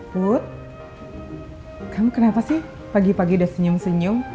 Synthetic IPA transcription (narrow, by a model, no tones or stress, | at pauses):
put̪̚ | kamukənapasɪh | paɡipaɡidasəɲʊmsəɲʊŋ